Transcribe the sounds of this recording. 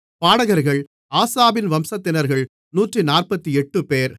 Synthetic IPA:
paːɽɐɣɐɾɣɐɭ | aːsaːbɪnʋɐmsɐt̪ːɪnɐɾɣɐɭ | nuːʈrinaːrpɐt̪ːiɛʈːɯpeːɾ

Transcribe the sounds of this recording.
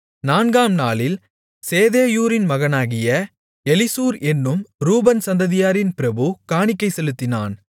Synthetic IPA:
naːnɡaːmnaːlɪl | seːðeːjuːɾɪnmɐɣɐnaːɣɪjɐ | ɛlɪsuːɾɛnːɯmɾuːbɐnsɐnd̪ɐðɪjaːɾɪnpɪɾɐbɯkaːɳɪkːɐɪsɛlɯt̪ːɪna̰ːn

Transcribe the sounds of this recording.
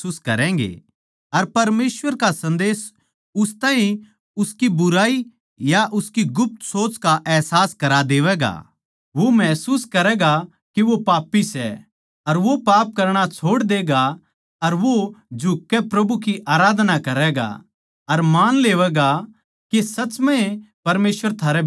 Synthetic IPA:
uːskɐɾɛ̃ːɡḛ | ɐɾpɐɾmeːsʋəɾkasɐ̃nd̪eːs | ʊst̪ãːɦĩ | ʊskibʊɾaːi | jaʔʊskiɡʊp̚t̪soːt͡ʃkaʔɛɦsaːskɐɾad̪eːʋɛɡa̰ | ʋomɛːsuːskɐɾɛɡa | kiʋopaːpːisɛ̰ | ɐɾʋopaːp̚kɐɾɽ̃at͡ʃʰoːɽd̪eːɡa | ɐɾʋod͡ʒʱʊkːɛpɾɐbukiʔaːɾaːd̪nakɐɾɛɡa̰ | ɐɾmaːnleːʋɛɡa | kesɐt͡ʃmɛ̃epɐɾmeːsʋəɾt̪ʰaːɾɛ

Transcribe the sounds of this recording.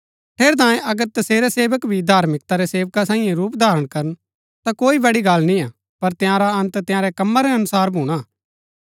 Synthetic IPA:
ʈʰeːɾt̪̬ãːẽʔɐɡəɾt̪ɐseːɾɛseːʋəkbʱid̪ʱaːɾmɪk̚t̪aɾɛseːʋkasãːĩjẽɾuːpd̪ʱaːɾəɽ̃kɐɾən | t̪akoːibɐɽiɡɐlnĩaː | pɐɾt̪ɪjãːɾaɐ̃nt̪t̪ɪjãːɾɛkɐmːaɾɛɐnʊsaːɾbʱuːɽ̃a

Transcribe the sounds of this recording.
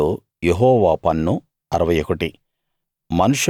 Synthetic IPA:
oː | jeɦɔːʋaːpɐnːu | ɐɾɐʋɐjokɐʈi | mɐnuʂ

